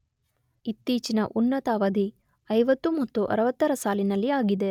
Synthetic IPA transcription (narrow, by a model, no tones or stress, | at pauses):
it̪ːiːt͡ʃinɐ̰ʔunːɐt̪aːʋɐd̪ʱi | ɐjʋɐt̪ːumɐt̪ːuʔɐ̰ɾɐʋɐt̪ːɐɾɐsaːlinɐlːiaːɡid̪e̞